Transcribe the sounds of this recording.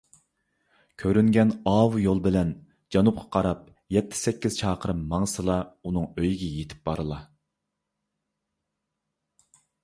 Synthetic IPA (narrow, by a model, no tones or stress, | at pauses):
kʲʰøɾyŋɡʲɛnɑːwujolˠbɪlɛn | d͡ʒɑnup̚qʰɑ̥qʰɑɾɑp̚ | jɛt̪ʰːɪ̥sɛkʲːiz̥t͡ʃʰɑːqʰəɾɨmːɑŋəsɨlˠɑunɨŋøjɡʲɛjet̪ʰɪ̥p̚bɑɾɨlˠɑ